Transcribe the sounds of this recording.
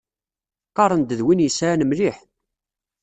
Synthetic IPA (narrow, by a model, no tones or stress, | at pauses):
qːɑɾˤənd̪əðwinjəsanəmliħ